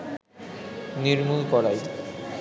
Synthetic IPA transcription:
niɾmulkɔɾaj

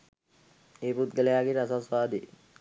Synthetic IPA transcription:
eːpɾut̪ɡəlejaːɡeɾasasʋaːd̪e

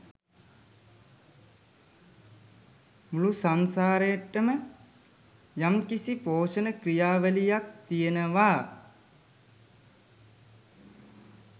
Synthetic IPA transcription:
mulusansaːɾəjaʈːəmə | jamkisipoːʃənəkrijaːʋəlijak̚t̪ijənəʋaː

